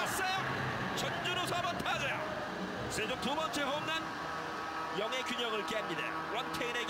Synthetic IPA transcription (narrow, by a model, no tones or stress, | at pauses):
as͈ajo | t͡ɕʌnd͡ʑuɾosʰabʌntʰad͡ʑejo | sed͡ʑomtubʌnt͡ɕʰeɦomnan | jʌŋɦe̞kuɲʌŋɯɭk͈emɲidḛo̰wʌntʰeineɡ